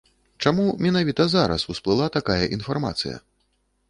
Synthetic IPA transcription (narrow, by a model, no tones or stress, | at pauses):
t͡ʂamumʲɛnavʲit̪ɐzaɾɐ̰susplˠɨlˠat̪akajɐʔin̪farma̰t̪sɨjɐ̰